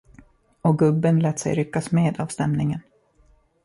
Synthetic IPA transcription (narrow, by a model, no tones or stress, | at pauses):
ɔɡɵbːənlɛːt̪sɛ̰jɾʏkːasmeːd̪avst̪ɛmnɪŋən